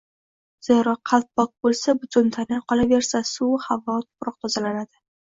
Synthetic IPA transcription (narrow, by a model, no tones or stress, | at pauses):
z̥eɾɒqʰːɑlt̪̚bɒk̚bolsabʊt̪ʰʊnt̪ʰanɪqʰɒlave̞ɾsasuhavɒt̪ʰʊ̥pɾɒq̚t̪ʰɒzalanad̪ɪ